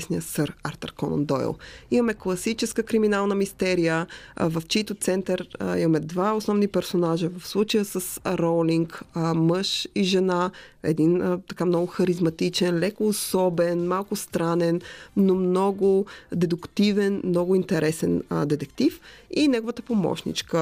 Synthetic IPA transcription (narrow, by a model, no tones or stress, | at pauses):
snijəsəɾaɾt̪ə̰ɾkɔnɐ̰nd̪ɔɛ̰lˠimɐmɛklˠɐsit͡ʃɛskəkɾiminalˠnəmist̪ɛɾijəvɐft͡ʃit̪ot̪sɛnt̪əɾimɐmɛd̪vaosnɔvnipɛɾsonaʒəvɐfslˠut͡ʃəjəsəsɾɔliŋkəməʃiʒɛnaɛ̰d̪int̪ɐkamnɔɡʊxɐɾizmɐt̪it͡ʃɛnlɛkoːsɔbɛnmalˠkʊst̪ɾanɛnnomnɔɡʊd̪ɛd̪ukt̪ivɛnmnɔɡʊint̪ɛɾɛsɛnd̪ɛt̪ɛkt̪ifinɛɡovət̪əpomɔ̰ʃnḭt͡ʃkə